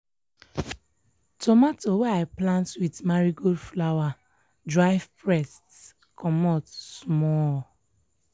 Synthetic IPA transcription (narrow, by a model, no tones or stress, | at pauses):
tɔmatoweaɪplãntwidmaɾiɡodflawa | dɹaɪvpɹɛst | kɔmɔtsmɔ